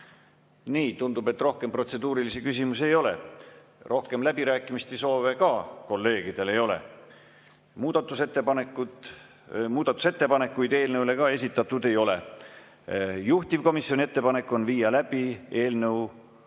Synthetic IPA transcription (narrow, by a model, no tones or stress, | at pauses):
niːt̪und̪ube̞t̪ːˑro̞hke̞mpro̞t̪se̞d̪uːɾilisikys̬imusie̞jo̞le̞̰ | rʔo̞hke̞mlæb̥iɾæːkːˑimist̪ejso̞ːve̞kɑko̞lːe̞ːɡ̥id̪̥e̞le̞jo̞le̞̰ | muːd̪̥ɑt̪ːˑuset̪ːepɑnekːu | muːd̪̥ɑt̪ːˑu̥se̞t̪ːe̞pɑne̞kːujd̪e̞ːlnewle̞kɑe̞s̬ʲit̪ːˑɑt̪ːˑud̪e̞jo̞le̞ | juht̪ivko̞misjo̞nʲie̞t̪ːe̞pɑne̞kːˑo̞nviːjɑlæb̥ie̞ːlnəw